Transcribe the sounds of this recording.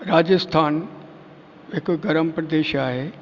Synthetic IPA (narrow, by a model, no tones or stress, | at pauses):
ɾaːd͡ʑəst̪ʰaːn | ɦɪkɡəɾəmpɾəd̪eːʃaːɦeː